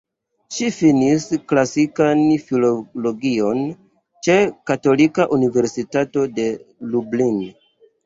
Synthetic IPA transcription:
ʃifinisklasikanfilolo̞ɡio̞n | t͡ʃe̞kato̞likaʔunive̞ɾsitato̞de̞lublin

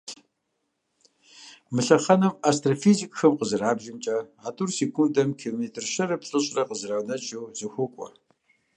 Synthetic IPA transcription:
mɨɬɐχɐnɐmastrafizikʼxɐmqəzɨraːbʒɪmt͡ʃʼɐaːtʼurseːkʰʷundɐmkʰiloːmeːtʰɨrʃɐrɨpɬʼɨɕʼrɐqəzɨrawnɐt͡ʃʼɐwz̥ɨxʷʊkʷʼɔ̰

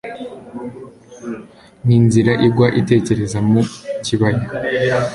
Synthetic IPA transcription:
n̥iːnziɾaʔibɡwaʔite̞ːce̞ɾe̞zamuciβaɾe

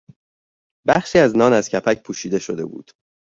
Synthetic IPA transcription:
bæχʃiːæznɒːnæz̥cʰæpʰæcpʰuːʃiːd̪e̞ʃo̞d̪e̞̰bṵːd̪̥

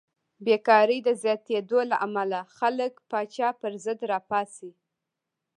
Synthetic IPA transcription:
bekɑɾəjd̪əzjɑt̪ed̪olaʔamalaxaləkpɑt͡ʃɑpəɾzəd̪ɾɑpɑsi

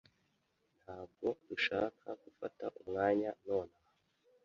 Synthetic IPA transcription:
n̥haːb̚ɡo̞d̥uʃaːkʰaɡ̥ufataʔumŋaːɲano̞ːna

